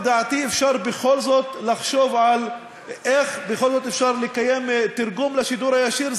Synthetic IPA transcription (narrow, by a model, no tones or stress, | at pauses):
d̪aʕt̪iːʔɪfʃɑːɾˤbɪxoːlzoːt̪lɪxʃuːvʕal | ʔexbɪxoːlzoːt̪ʔɪfʃɑːɾˤlɪkajːemt̪ɪɾˤɡuːmlaʃɪd̪uːɾajaʃiːɾ